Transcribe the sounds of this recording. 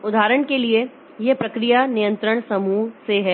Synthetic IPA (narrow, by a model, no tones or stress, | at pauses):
ʊd̪ʱaːɾəɽ̃kelie | jɛpɾɐkɾijanijə̃nt̪ɾəɽ̃sɐmuːɦseɦɛː